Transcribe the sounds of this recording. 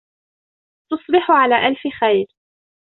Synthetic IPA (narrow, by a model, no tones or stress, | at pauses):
t̪ʊsˤbɪħʊʕalaːʔalfɪxajɾ